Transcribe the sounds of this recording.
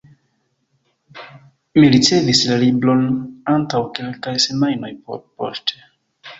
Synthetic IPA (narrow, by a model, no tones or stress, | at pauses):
miɾitevislaliblɔnantawkelkajsenajnɔjpɔ̰pɔste